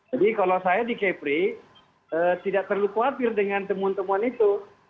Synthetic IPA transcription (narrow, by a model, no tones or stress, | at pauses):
d͡ʒadikalawsajadikepɾi | ət̪idaʔ̚t̪ərlukuat̪ɪrdəŋant̪əmuant̪əmuanit̪u